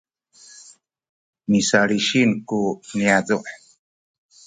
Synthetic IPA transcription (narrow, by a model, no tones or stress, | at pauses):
misaɾiʃinkuniaduʔ